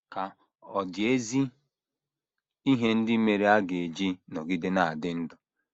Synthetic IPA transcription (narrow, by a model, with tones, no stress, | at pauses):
ka˨ | ɔ˨dɪ˨e˦zi˦ | i˦ɦe˦n̩˦dɪ˦me˨ɾe˦a˦ɡe˨d͡ʒi˦nɔ˨ɡɪ˦de˦na˨a˨dɪ˦n̩˦dʊ˨